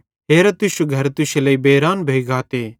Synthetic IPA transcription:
ɦeːɾat̪ʊʃuɡʱɐɾt̪ʊʃeləibeːɾaːnbʱeːiɡaːt̪eː

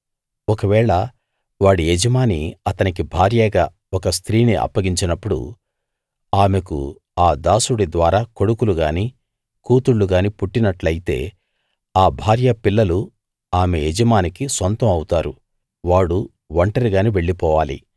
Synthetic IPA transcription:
ɔkɐʋɛːɭɐ | ʋaːɽied͡ʒɐmaːniɐt̪ɐnik̬ibʱaːɾjɐɡaː | ɔkɐst̪ʰɾiːniʔɐ̰pːɐɡiɲt͡ʃinɐpːuɽṵ | aːmekṵ | aːd̪aːsuɽid̪ʋaːɾaːko̞ɽukuluɡaːniː | kuːt̪uɭːuɡaːnipuʈːinɐʈlɐjit̪e̞̰ː | aːbʱaːɾjɐpilːɐlu | aːmejed͡ʒɐmaːnikisont̪ɐmɐwut̪aːɾu | ʋaːɽu | ʋɐɳʈɐɾiɡaːniʋe̞ɭːipɔːʋaːlḭ

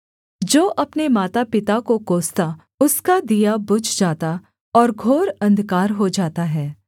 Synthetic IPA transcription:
d͡ʒoːʔɐpnemaːt̪apɪt̪akokoːst̪a | ʊskad̪ijabʊd͡ʒd͡ʒaːt̪a | ɔːɾɡʱoːɾɐ̃nd̪kaːɾɦod͡ʒaːt̪aɦɛː

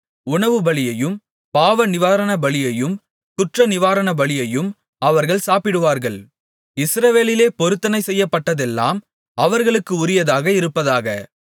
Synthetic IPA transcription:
ʊɳɐʋɯbɐɭɪjɐjɯm | paːʋɐnɪʋaːɾɐnɐbɐɭɪjɐjɯm | kʊʈrɐnɪʋaːɾɐnɐbɐɭɪjɐjɯm | ɐʋɐɾɣɐɭsaːpɪɽɯʋaːɾɣɐɭ | ɪsɾɐʋeːlɪleːpɔɾɯt̪ːɐnɐɪsɛjːɐpːɐʈːɐðɛlːa̰ːm | ɐʋɐɾɣɐɭɯkːɯʊɾɪjɐðaːɣɐɪɾɯpːɐðaːɣɐ

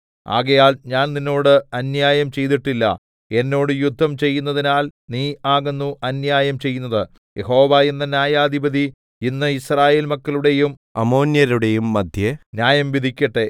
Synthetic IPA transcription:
a̰ːɣɐjaːlɲaːnninːo̞ːɽɨɐnjaːjɐmt͡ɕe̞jt̪iʈːilːɐ̰ | e̞nːo̞ːɽɨjud̪ʱːɐmt͡ɕe̞jːunːɐðinaːlniːaːɣenːuʔɐnjaːjɐmt͡ɕe̞jːunːɐðɨ | jeɦo̞ːʋaːenːɐnjaːjaːd̪ʱibɐd̪ʱi | inːɨisraːje̞ːlmɐkːɐluɽe̞jum | ɐ̰mo̞ːnjɐɾuɽe̞jumːɐd̪ʱjɐnjaːjɐmʋid̪ʱikʲːɐʈːe̞

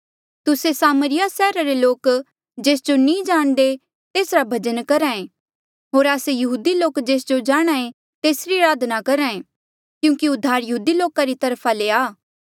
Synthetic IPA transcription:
t̪ʊsesaːməɾɪjasɛːɾaɾeloːk | d͡ʒeːsd͡ʒonĩd͡ʒaːɽ̃d̪e | t̪eːsɾabʱɐd͡ʒənkɐɾãẽ | ɦoːɾaːsejɐɦuːd̪iloːkd͡ʒeːsd͡ʒod͡ʒaːɽ̃aːẽ | t̪eːsɾiɾaːd̪ʱnakɐɾãːẽ | kjũːkiʊd̪ʱːaːɾjɐɦuːd̪iloːkaɾit̪ɐɾpʰaleaː

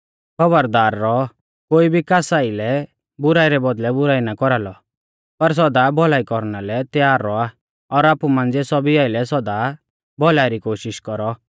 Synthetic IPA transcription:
kʰɔbəɾd̪aːɾːɔ | koːibʱikaːsaːilɛ | bʊɾaːiɾɛbɔd̪lɛbʊɾaːinakɔɾalɔ | pɐɾs̬ɔd̪abɔlaːikɔɾnalɛt̪jaːɾːɔa | ɔɾaːpumãnd͡zesɔbiaːɪlɛsɔd̪a | bʱɔlaːiɾikoːʃɪʃkɔɾɔ

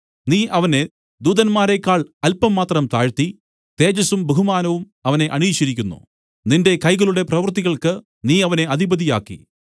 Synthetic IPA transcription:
niːʔɐʋɐne̞ | d̪uːðɐnmaːɾekːaːɭɐlpɐmːaːt̪rɐmt̪aːɻt̪i | t̪e̞ːd͡ʑɐsumbeɦumaːnɐʋum | ɐʋɐne̞ʔɐɳiːt͡ɕːɐɾikʲːunːṵ | ninde̞kɐjɣɐɭuɽe̞prɐʋɐrt̪iɣɐɭkɨ | niːɐʋɐne̞ɐd̪ʱibɐd̪ija̰ːkːḭ

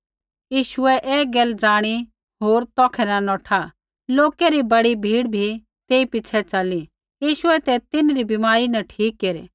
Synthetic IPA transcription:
jiːʃʊɛʔɛːɡɛld͡zaːɽ̃i | ɦoːɾt̪ɔːkʰɛnɐnɔːʈʰa | loːkɛɾibɐɽibʱiːɽbʱi | t̪eːipɪt͡ʃʰɛt͡sɐli | jiːʃʊɛt̪ɛt̪ɪnɾibimaːɾinɐʈʰiːkːeːɾḛ

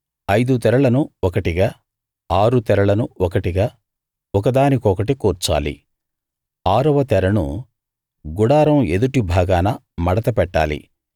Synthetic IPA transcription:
ɐjd̪ut̪ɛɾɐɭɐnuɔkɐʈiɡaː | aːɾut̪ɛɾɐɭɐnuɔkɐʈiɡaː | ɔkɐd̪aːnikɔkɐʈikuːɾt͡ʃa̰ːlḭ | aːɾɐʋɐt̪ɛɾɐɳṵ | ɡuɽaːɾɐmed̪uʈibʱaːɡaːnɐ | mɐɽɐt̪ɐpɛʈːa̰ːlḭ

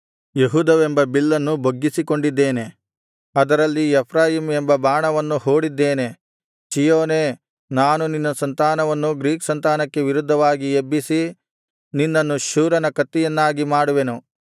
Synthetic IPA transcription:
jeɦuːd̪ɐʋembɐbilːɐnːubʱoɡːisiko̞ɳɖid̪ːeːne̞ | ɐd̪ɐɾɐlːiepʰɾaːjiːmembɐbaːɳɐʋɐnːuho̞ːɽid̪ːe̞ːne̞ | t͡ʃijoːneː | naːnuninːɐsɐnt̪aːnɐʋɐnːuɡɾiːksɐnt̪aːnɐkːe̞ʋiɾud̪ʱːɐʋaːɡiebːisi | ninːɐnːuʃuːɾɐnɐkɐt̪ːijɐnːaːɡimaːɽuʋe̞nu

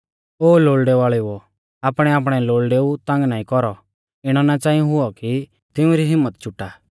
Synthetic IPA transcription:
oːloːlɖɛʋaːɭeɔ | aːpɽ̃ɛaːp̬ɽ̃ɛloːlɖeut̪ãːŋɡnaːĩkɔɾɔ | ɪɽ̃ɔnat͡ʃãːĩũɦʊɔki | t̪ɪũɾiɦɪmːət̪t͡ʃʰʊʈːaː

